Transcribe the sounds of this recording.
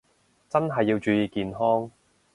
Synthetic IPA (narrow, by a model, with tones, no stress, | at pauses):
t͡sɐ˥nɦɐ˨jːiː˧wt͡ʃyː˨˧jiː˨kiː˨nɦɔː˥ŋ